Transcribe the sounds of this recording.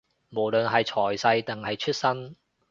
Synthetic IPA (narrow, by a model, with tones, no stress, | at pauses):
mo˨˩wlɵ˨nɦɐ˨jt͡ʃʰɔː˨˩jsɐ˧jt̪ɛ˨˩ŋhɐ˨jt͡ʃʰɵ˥t̚sɐ˥n